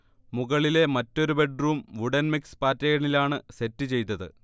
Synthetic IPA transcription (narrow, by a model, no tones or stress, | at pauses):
muɣɐɭile̞mɐtːo̞ɾube̞ɖruːmʋuɽɐnmikspaːtːɐjɐɐɳilaːɳɨse̞tːɨt͡ɕe̞jt̪ːɐðɨ̰